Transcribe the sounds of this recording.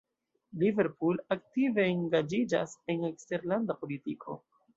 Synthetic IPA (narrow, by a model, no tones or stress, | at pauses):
live̞ɾpulak̚tive̞iŋɡad͡ʒid͡ʒa̰se̞nekste̞ɾlandapo̞litikʰo̞̰